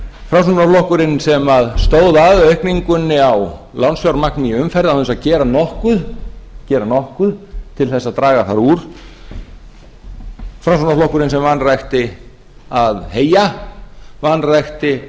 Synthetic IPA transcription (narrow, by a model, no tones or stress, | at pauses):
fɾamsunaflɔhkʏɾɪnsɛmaðst̪oːwðaaːðœɥhkniŋkʏnːɪaw | lawnsfjawɾmaknɪʏmfɛɾðawθɛnsaðcɛːɾanɔhkʏðcɛːɾanɔhkʏðt̪ʰɪlθɛsːaðt̪ɾaːɣaθaɾuːɾ̥ | fɾamsunaflɔhkʏɾɪnsɛmvanrajxt̪ɪ | aðheːja | vanrajxt̪ɪ